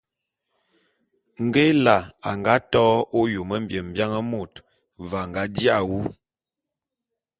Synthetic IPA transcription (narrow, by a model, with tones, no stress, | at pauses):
ŋ̩˨ɡe˦la˨a˨ŋɡa˦tɔː˦o˦jo˨mə˦m̩˦bjə˨m˨bja˦ŋə˦mo˨t | va˨ŋɡa˨˦di˦a˨wu˦